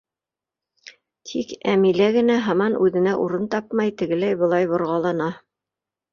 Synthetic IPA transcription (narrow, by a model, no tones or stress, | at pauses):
t̪ʰikæmilæɡɘ̆næɦɑmɑnʔʉðɘ̆næʔuɾɤnt̪ɑpmɑjt̪ɘ̆ɡɘ̆læjbɤ̆lˠɑjbŏɾʁɑlˠɑnɑ